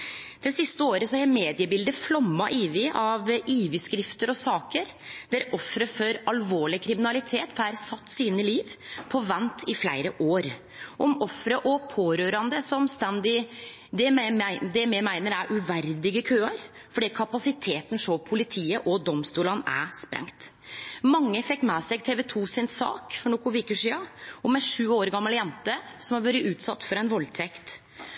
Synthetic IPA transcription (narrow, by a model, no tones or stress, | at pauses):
d̪̥ɛsɪst̪əoːɾəsɔææmeːd̪ɪəbɪld̪əflɔmːɑʔiːʋɪʔɑʋiːʋɪskɾɪft̪əɾɔsɑːkəɾ | d̪̥æɾɔfɾəfɔɾɑlʋoːɭɪkʰɾɪmɪnɑlɪt̪ʰeːt̪hæɾsɑt̪ːsiːnəliːʋpʰɔʋɛnt̪ʰɪflæɪɾəʔoːɾ | ʔɔmɔfɾəʔɔpʰoːɾøːɾɑnd̪əsɔmst̪ɛnd̪ɪ | d̪ɛd̪ɛmɛmæɪnəɾæɾʔʉʋæɾd̪ɪɡəkʰøːɑɾ | fɔɖikʰɑpɑsɪt̪ʰeːt̪n̩ʂoːpʰʊlɪt̪ʰiːəʔɔd̪ɔmst̪uːlɑnæ̰spɾʔɛ̰ŋt̪ | mɑŋːəfɛkːmɛːsɛɡt̪ʰeːʋɛt̪ʰuːsɪnsɑ̰ːkfɔɳɔkʊʋiːkʉʂiːɑɔmɛʂʉːoːɾɡɑmːəljɛnt̪əsɔmhɑɾʋøːɾɪʔʉːt̪sɑt̪ːfɔɾɛɪnʋɔlt̪ʰɛkt̪